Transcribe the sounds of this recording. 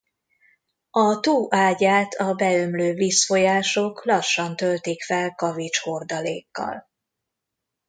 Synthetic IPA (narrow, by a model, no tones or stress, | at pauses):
ɒt̪uːʔaːɟaːt̪ʰɒbɛømløːviːsfo̞jaːʃo̞klɒʃːɒnt̪ølt̪ikfɛlkɒvit͡ʃho̞rd̪ɒleːkːɒ̰l